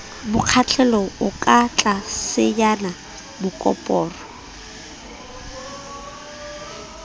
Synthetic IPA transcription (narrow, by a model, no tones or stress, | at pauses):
bʊq͡χʰat͡ɬʰɛlɔʊkʼat͡ɬʼasɪjana | bʊkʼɔ̰pʼɔːrɔ